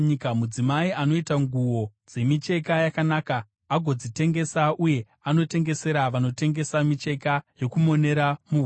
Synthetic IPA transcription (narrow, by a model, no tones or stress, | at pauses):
ikmud͡zimaiʔano̞itaŋɡuwo̞d͡ze̞mit͡ʃe̞kajakanaːkaː | ɡʱo̞d͡zite̞ŋɡe̞saʔuje̞ | ano̞te̞ŋɡe̞se̞ɾaʋano̞te̞ŋɡe̞samit͡ʃe̞kajo̞kumo̞ne̞ɾamu